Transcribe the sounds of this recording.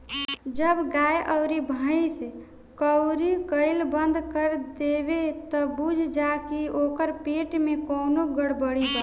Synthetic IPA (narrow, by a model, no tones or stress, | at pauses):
d͡ʒəbɡajʔəʊɾibʱəis | kəʊɾikəɪlbənd̪ʱkəɾd̪ebet̪ɔbud͡ʒʱd͡ʒakiokəɾpeʈmekəːnoɡəɽbəɽid͡ʒa